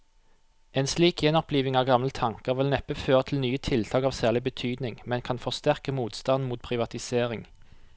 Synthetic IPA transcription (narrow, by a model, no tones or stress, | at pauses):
ʔeːnsliːkjɛnɔpliːʋɪŋɑːʋɡɑmlət̪ʰɑŋkəʁʋɪlnɛpəføːʁət̪ʰɪlnyːət̪ʰɪlt̪ʰɑːkɑːʋsæːʁlɪbət̪ʰyːd̪nɪŋmɛnkʰɑnfɔʁst̪æʁkəmuːt̪st̪ɑnmuːt̪̚pʰʁɪʋɑt̪ɪseːʁɪŋ